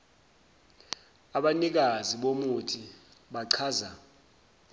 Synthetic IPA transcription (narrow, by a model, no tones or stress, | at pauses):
aɓanik̬aziɓomutʰi | ɓaǀʰaːza